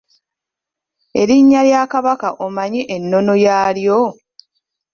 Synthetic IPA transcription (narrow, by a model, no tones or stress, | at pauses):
e̞ɾiɲːaljaːkaβakaʔomaɲiʔenːo̞no̞jaːljo